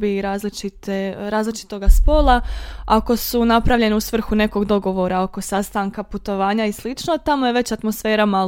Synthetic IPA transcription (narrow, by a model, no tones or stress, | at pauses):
biɾaːzlit͡ʃit̪eɾaːzlit͡ʃi̥t̪o̞ɡaspo̞lˠaako̞sunapɾaʋʎe̞neusʋr̩xune̞ko̞ɡd̪o̞ɡo̞ʋo̞ɾao̞ko̞sast̪aːŋkaput̪o̞ʋaːɲaislit͡ʃnot̪amojeʋe̞t͡ɕat̪mo̞sfe̞ːɾama